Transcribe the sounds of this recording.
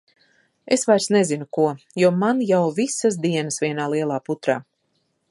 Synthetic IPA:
esvajɾsnezinukuɔjuɔmanjawvisasd̪iɛnəsviɛnaːlˠiɛlˠaːput̪ɾa̰ː

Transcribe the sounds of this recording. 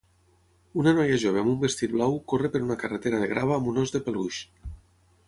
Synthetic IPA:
unanɔjaʒoβ̞eamumbest̪it̪̚blawkorepeɾunakaret̪eɾaðeɣɾaβaːmunɔzðepeluʃ

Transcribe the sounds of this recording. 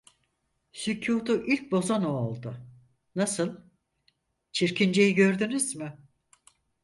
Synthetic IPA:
sycʰuːt̪uʔilʲc̚bo̞zanoolˠd̪ʊ | nasɯlˠ | t͡ʃʰiɾcʰind͡ʒe̞jiɟøɾd̪ynyzmɪ

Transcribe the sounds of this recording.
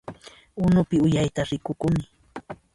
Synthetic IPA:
ʊnʊpɪʊjajt̪aɾɪkʊkʊmɪ

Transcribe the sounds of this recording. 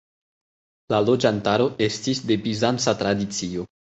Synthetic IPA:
lalo̞d͡ʒantaɾo̞e̞stisde̞bizant͡sat̪ɾadit͡sio̞

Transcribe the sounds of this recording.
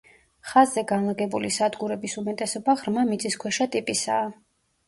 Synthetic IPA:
χazːɛɡanlˠaɡɛbulisad̪ɡuɾɛbisumɛt̪ʼɛsɔbaʁɾmamit̪sʼiskʰwɛʃat̪ʼipʼisa̰ː

